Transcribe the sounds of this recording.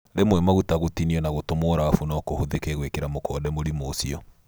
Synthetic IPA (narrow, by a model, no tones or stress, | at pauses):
ɾemwɛmaɣutaɣotiniɛnaɣotomɔɾaafunɔkohoðekɛɣwekeɾamokɔːdɛmoɾimosiɔ